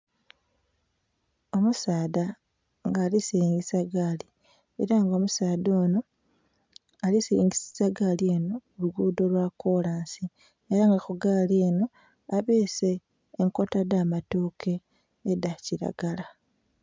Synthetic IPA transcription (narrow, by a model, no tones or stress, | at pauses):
o̞musaːda | ŋɡaːlisiɾiːŋɡisaɡali | ḛɾaŋɡo̞musaːdo̞ːno | alisiɾḭːŋɡisi̥saɡalie̞no̞uluɡuːdo̞lwako̞laːnsi | eɾaŋɡaxuɡaːlieno̞ | aβeːse̞ː | ŋko̞tadaːmatoːkʰe̞ː | daciɾa̰ɡala